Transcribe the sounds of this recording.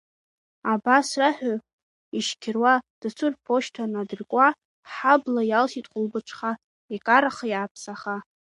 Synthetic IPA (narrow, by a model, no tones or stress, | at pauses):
abasraħᶣʊ | iʃkʲʰɪrwad̥ɨt͡sʰɨrpʰo̞ʃtʰanadɨrkʷʼa | ħablajalʃitʼχʷʊlbɨʈ͡ʂʷʰχa | ekʼaɾaχjaːpʰsaχa